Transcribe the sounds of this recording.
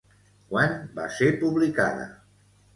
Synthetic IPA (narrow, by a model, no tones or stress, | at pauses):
kwanba̰seɾpuβlika̰ðə̰